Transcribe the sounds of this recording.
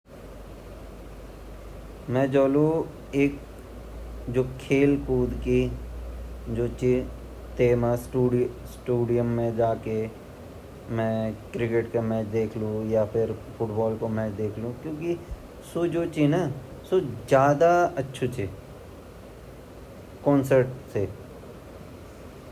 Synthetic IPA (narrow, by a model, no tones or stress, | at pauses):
mɛ̃ːd͡ʒoːlu | eːk̚ | d͡ʒoːkʰeːlkuːd̪ki | d͡ʒoːt͡ʃi | t̪eːmasʈuːɖsʈuːɖijəmːẽd͡ʒaːke | mɛ̃kɾɪkeʈkemɛ̃ːt͡ʃd̪eːkʰlũjapʰɪɾfʰʊʈbɔːlkomɛ̃ːt͡ʃd̪eːkʰlũkjõːki | sod͡ʒoːt͡ʃina | sod͡ʒjaːd̪aɐtːʃʰut͡ʃʰi | kɔ̃ːnsəɾʈse